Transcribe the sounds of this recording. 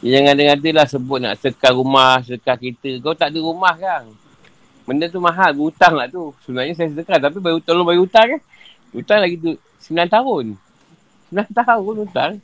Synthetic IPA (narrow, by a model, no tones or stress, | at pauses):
jaŋadaŋadəlahsəbʊt̪̚na̰ʔsəkaɾumahsəkakit̪əɡawt̪aʔdiɾumahkaŋ | məndət̪̬umaɦaɡuut̪aŋlaʔt̪usəbənaɲas̬ajasədəkat̪ap̬ibaɡiut̪aŋlobaɡiut̪aŋə | ut̪aŋlaɡit̪̬u | səmilant̪aɦʊn | səmilant̪aʊnut̪aŋ